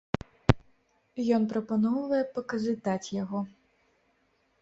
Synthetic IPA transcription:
jɔnpɾɐpanɔwvɐjɛpɐkɐzɨt̪at͡sʲjaɣɔ

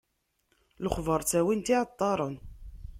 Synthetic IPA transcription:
lʊχvəɾˤt͡sːæwint̪iʕət̪ˤːɑɾˤən

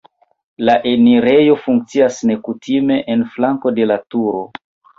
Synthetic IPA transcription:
laʔe̞niɾe̞jo̞fuŋk̚t͡siasne̞kutʰime̞ʔenflaŋko̞de̞latuɾo̞

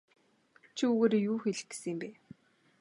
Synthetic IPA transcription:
t͡ɕʰiuɣeːɾjuːxeɮɘ̆xɡ̥e̥simpeː

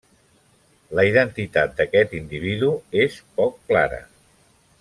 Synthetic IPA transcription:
ləiðənt̪it̪at̪̚d̪əkɛt̪ind̪iβ̞iðuespɔkːlaɾə̰

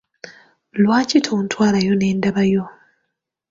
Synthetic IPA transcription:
lwaːcitʰoːntwaːlajo̞ne̞ːndaβajo

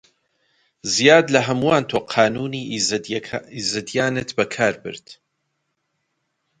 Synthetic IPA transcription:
zijaːd̪lɐɦɐmuwaːnt̪ʰoːqʰɑːnuːniːʔ | izɨd̪jaːnɨt̪bɐkʰaːɾbɨ̰ɾd̪̥

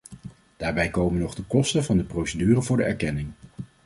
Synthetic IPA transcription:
d̥aːɹbɛjkowmənɔχdəkɔstənvɑndəprowsədyːrənvʊːɹdəɛɹkɛnɪŋ

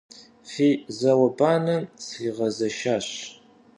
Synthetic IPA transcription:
fiːzɐwɐbaːnɐmsiʁɐzɐʃaːɕ

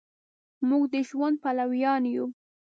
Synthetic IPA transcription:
muɡd̪əʒwand̪̚palawjɑnju

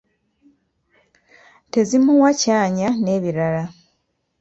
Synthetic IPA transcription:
te̞zimuwacaːɲane̞ːβiɾaɾa

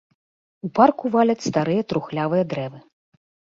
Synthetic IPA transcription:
uparkuvalʲɐt͡sʲst̪aɾɨjɐt̪ɾuxlʲavɨjɐd̪ɾɛvɨ

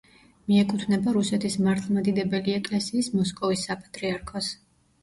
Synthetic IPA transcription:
miɛkʼut̪ʰnɛbaɾusɛt̪ʰismaɾt̪ʰlˠmad̪id̪ɛbɛliɛkʼlɛsiːsmɔskʼɔvisːapʼat̪ʼɾiaɾkʰɔs

